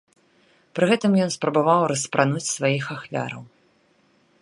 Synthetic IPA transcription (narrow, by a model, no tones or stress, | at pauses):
pɾɨɣɛt̪ɨmjɔnspɾɐbavawɾɐspɾʔanut͡sʲsvajixaxvʲa̰ɾɐ̰w